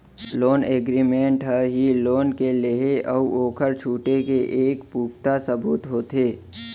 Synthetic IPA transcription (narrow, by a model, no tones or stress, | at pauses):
loːneːɡɾimẽːɳʈɦəɦiloːnkeleɦeʔɔuʔoːkʰəɾt͡ʃʰuːʈekeʔeːkpuːpt̪asəbuːt̪ɦoːt̪eː